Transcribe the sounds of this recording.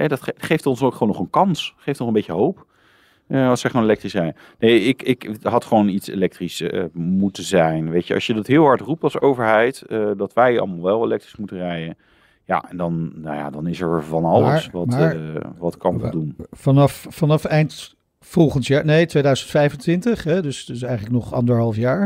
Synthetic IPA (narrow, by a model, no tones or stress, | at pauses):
ɦɛdɑtχejftɔnsowkχʋonɔχənkɑnsχejftnɔχəmbejjəɦowp | əɑsɛχonelɛk̚trisɛj | nejɪkɪkɦɑtχəʋownitsḛlɛk̚trismutəzɛjnʋejcəɑ̰ʃjədɑtɦɪːlˠɦɑɹtrup̚tɑlˠsowvəɹɦɛjtədɑtʋɛjɑ̰lˠmalˠʋɛlˠelɛk̚trismutərɛjən | ja̰ʔɛndɑnnaja̰ːdɑnɪsəɹvɑnɑləsʋɑmaʋɑtkɑnʋˠdunfɑnɑfːɑnɑfɛjnt | fɔlˠχənsjaːnejtʋejdœɥzəntfɛjvəntʋɪntəχɦɛdɵsdɵs̬ɛjχənləknɔχɑ̰ndəɹɦɑlˠfjaːɹ